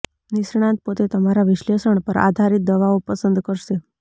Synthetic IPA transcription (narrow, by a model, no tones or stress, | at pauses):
nisɳ̃jãt̪̚pot̪et̪əmaɾaʋiɕlesəɳpəɾʔa̰d̪ʱaɾit̪̚d̪əʋaopəsənd̪kəɾse